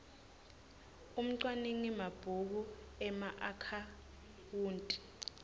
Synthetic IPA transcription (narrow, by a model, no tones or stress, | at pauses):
um̩ǀwaneŋimab̥ʱuk̬u | ɛmaʔakʰa | wuːntʼi̥